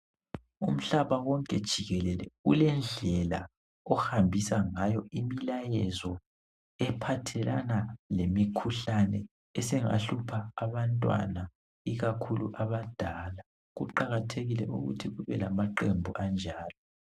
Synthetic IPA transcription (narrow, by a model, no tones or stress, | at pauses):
um̩ɬaβawɔŋkʼɛd̥ʒ̥ʱiɣɛlɛlɛ̰ṵlɛnd͡ɮʱɛla̰ | ɔhambʱisaŋajɔimilajɛzɔ | ɛpʰatʰɛlʔanalemikʰuɬanɛ | ɛsɛŋa̰ɬupʰaːβantʼwa̰na | iɣakʰuluʔaβad̥ʱaːla | ɣuǃaɣatʰeɣilɛʔuɣṵtʰiɣuβɛlamaǃembʱuʔand͡ʒʱaːlɔ